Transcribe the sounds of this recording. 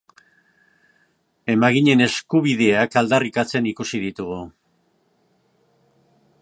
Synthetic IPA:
e̞maɣiɲe̞ne̞skuβ̞iðe̞akald̪arikat͡se̞nikusið̞it̪uɣu

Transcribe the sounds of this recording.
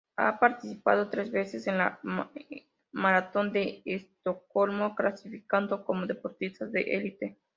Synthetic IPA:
a̰paɾt̪isipa̰ð̞o̞t̪ɾe̞zβe̞sesenla | maɾat̪o̞nd̪eːst̪oko̞lmoklasifikand̪oko̞moðepo̞ɾt̪ist̪aðḛʔelit̪e

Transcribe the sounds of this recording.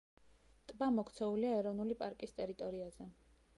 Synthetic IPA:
t̪ʼbamɔkʰt̪sʰɛuliaɛɾɔnulipʼaɾkʼist̪ʼɛɾit̪ʼɔɾiaz̥ɛ

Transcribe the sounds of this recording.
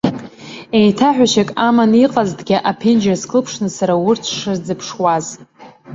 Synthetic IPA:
ejtʰaħᶣʷaʃakʼamaniqʼazdɡʲiʔapʰend͡ʒaskʰɨlpʰʂnɨsaɾawʊrt͡sʰʂɨrd͡zɨpʰʂwaz

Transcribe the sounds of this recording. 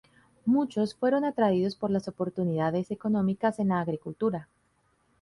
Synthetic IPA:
mut͡ʃo̞sfwe̞ɾo̞nat̪ɾaiðo̞spo̞ɾlaso̞po̞ɾt̪uniðaðe̞se̞ko̞nõ̞mikase̞nlaːɣɾikult̪uɾa

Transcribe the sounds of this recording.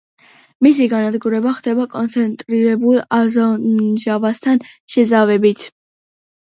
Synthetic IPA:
mis̬iɡanad̪ɡuɾɛbaχd̪ɛbakʼɔnt̪sʰɛnt̪ʼɾiɾɛbulˠazɔʒavast̪ʰanʃɛzavɛbit̪ʰ

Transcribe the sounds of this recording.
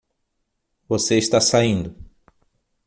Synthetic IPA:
voseist̪asaĩnd̪ʊ

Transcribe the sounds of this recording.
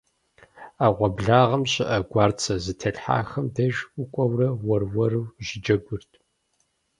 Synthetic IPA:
aːʁʷɔbɮaːʁɐmɕɪʔɐɡʷɑːrt͡sʰɐzɨtʰɐɬħa̰ːxɐmdɐʒʷʊkʷʼɔwrɐwɐrwɐrɨwʒɪd͡ʒɐɡʷʊrtʰʼ

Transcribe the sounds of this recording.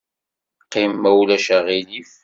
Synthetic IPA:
qːimːæwlæʃæʁilif

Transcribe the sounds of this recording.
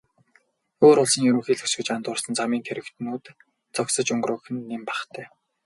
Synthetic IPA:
oːɾʊɮsə̆ŋjɵɾɵ̆ŋxiːɮɵsɡɘ̆t͡ɕant̪ʊːrsə̆nt͡samiːŋk̪ʰeɾɘ̆kt̪nuːt̪ | t͡sɔksə̆t͡ɕɵŋɡrʊːxɘ̆nːempḁχt̪ʰæː

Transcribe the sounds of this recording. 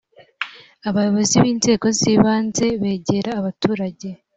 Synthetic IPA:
aβajo̞βo̞ziβiːnze̞ːɡo̞ziːβaːnze̞βe̞ːɟe̞ɾaːβatuːɾaɟe̞

